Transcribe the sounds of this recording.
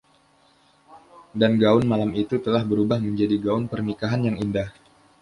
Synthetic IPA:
danɡaʊnmalamit̪ut̪əlahbəɾubahməɲd͡ʒadiɡaʊnpərnikaɦanjaŋindah

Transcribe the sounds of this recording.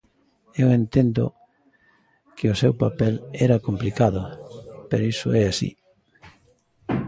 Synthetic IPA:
ewent̪end̪ʊ̰ | kɪʊsewpapɛlɛɾɐkomplikaðʊpeɾoisʊɛasḭ

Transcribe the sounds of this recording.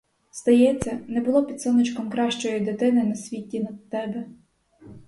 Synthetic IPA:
st̪ɐjɛt͡sʲːɐnɛbʊlˠɔpʲit̪sɔnɪt͡ʃkɔmkɾɑʃt͡ʃɔjid̪et̪ɪnɪnɐsʲʋʲitʲːinɐd̪̚t̪ɛbɛ

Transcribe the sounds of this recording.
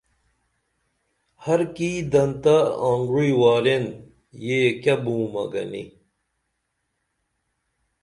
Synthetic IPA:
hɐɾkiːd̪ɐnt̪ɐaːŋɡɾuiwaːɾen | jeːkɐbũːmɐ̰ɡɐ̰nḭ

